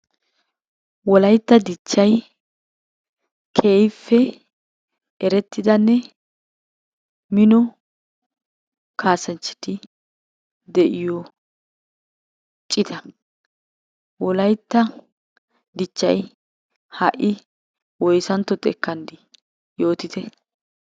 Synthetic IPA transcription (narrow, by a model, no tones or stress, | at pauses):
wɔlɐjt̪ːɐd̪ɪt͡ʃːɐj | kʰeːjfːɛ | ɛɾɛt̪ːɪd̪ɐnːɛ | mɪnɔ | kʰaːsɐnt͡ʃːɪ̥t̪ɪ | d̪ɛʔɪjɔ | t͡ʃʼɪt̪ʰɐ | wɔlɐjt̪ːɐ | d̪ɪt͡ʃːɐ̰j | hɐʔɪ | wɔjsɐnt̪ːɔt̪ʼɛkːɐnd̪ɪ | jo̞ːt̪ɪt̪ɛ